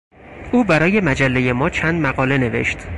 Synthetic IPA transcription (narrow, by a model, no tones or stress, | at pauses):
ʔuːbæɾɒːje̞mæd͡ʒælːeje̞mɒːt͡ʃʰænd̪mæɣɒːle̞ne̞ve̞̰ʃt̪